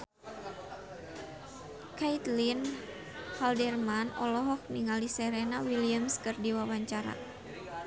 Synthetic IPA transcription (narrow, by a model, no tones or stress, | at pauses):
kait̪lin | haldɛrmanɔ̰lɔɦɔk̚niŋalisɛɾɛnawiliamskɨrdiwawaɲt͡ʃaɾa̰